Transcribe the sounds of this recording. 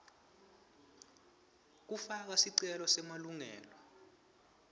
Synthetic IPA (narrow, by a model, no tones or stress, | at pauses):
k̬ufak̬asiǀɛlɔsɛmaluŋɛ̰ːlɔ